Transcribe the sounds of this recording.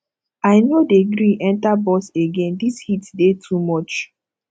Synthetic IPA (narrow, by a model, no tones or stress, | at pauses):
aɪnodeɡɾĩʔɛ̃ntabɔseɡẽndishitdetʰumɔt͡ʃ